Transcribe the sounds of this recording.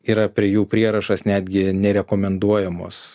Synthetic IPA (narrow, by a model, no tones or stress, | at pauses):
iːɾɐpʲɾʲiɛjuːpʲɾʲiɛɾɐʃɐsnʲæːd̪ʲɡʲɪnʲɛɾʲɛkoːmʲɛnd̪uɔjɛmo̰ːs